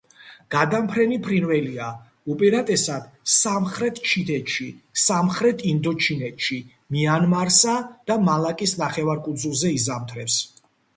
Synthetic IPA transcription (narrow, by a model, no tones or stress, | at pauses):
ɡ̥ad̪ampʰɾɛnipʰɾinvɛlia | ɔpʼɛɾat̪ʼɛsad̪̥samχɾɛt̪ʰt͡ʃʰit̪ʰɛt̪ʃisamχɾɛt̪ʰind̪ɔt͡ʃʰinɛt̪ʃi | mianmaɾsad̪̥amalˠakʼisnaχɛvaɾkʼud̪zulˠzɛizamt̪ʰɾɛps